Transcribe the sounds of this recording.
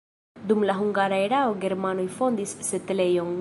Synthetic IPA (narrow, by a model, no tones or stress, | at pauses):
dumlaɦuŋɡaɾaeɾaoɡe̞ɾmanojfo̞ndisːe̞tle̞jo̞ŋ